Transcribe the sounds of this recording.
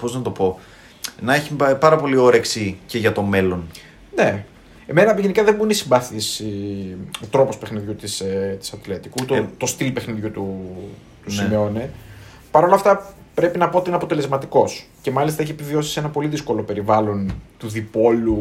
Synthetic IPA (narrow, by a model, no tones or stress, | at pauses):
po̞znɐt̪o̞po̞ | nɐeçipɐɾɐpo̞lio̞ɾeksiceʝɐt̪o̞me̞lo̞n | ne̞ | emenɐʝenikɐðemuinesimbɐθisi | ot̪ɾo̞po̞spe̞xniðʝut̪iset̪i̥sɐt̪let̪ikut̪ot̪o̞st̪ilpe̞xniðʝut̪u | t̪usimio̞ne | pɐɾo̞lɐft̪ɐ | pɾe̞pinɐpot̪iineɐpo̞t̪e̞le̞zmɐt̪iko̞sce̞mɐlist̪ɐeçiepivio̞si̥senɐpo̞liðisko̞lo̞pe̞ɾivɐlo̞nt̪uðipo̞lu